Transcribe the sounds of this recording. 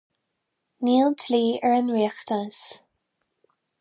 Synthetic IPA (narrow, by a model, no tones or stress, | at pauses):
niːlˠt̪ʰliːəɹənwiːxt̪ʰanəs